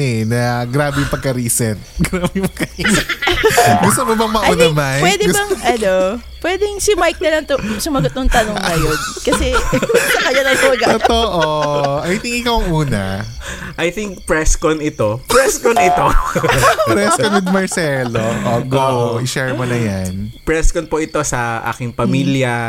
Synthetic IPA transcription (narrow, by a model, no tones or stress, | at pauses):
ɛnɐɡɾaːbɛpɐɡ̚kːɐɾiːsɛnt̪̚ɡɾaːbɛmɐkɐɾisɛ | ɡʊst̪omobɐŋmɐʔunɐmajwɛd̪ɛbɐŋʔɐnopwɛd̪ɛŋsimajk̚nɐlɐŋt̪ʊsʊmɐɡʊt̪̚nʊŋt̪ɐnoŋnɐjonkɐsɛsɐkɐɲɐnɐŋsoːɡɐtot̪oʔoʔɐjt̪iŋkɪkawɐŋʔuːnɐ̰ | ʔɐjt̪iŋk̚pɹɛskonɪt̪o̞pɹɛskonɪt̪o | pɾɛskonwɪd̪̚mɐɹsɛloʔoɡowɪʃɛɹmʊnɐjanpɹɛskonpoʔɪt̪o̞sɐʔa̰ːkɪŋpɐmiljɐ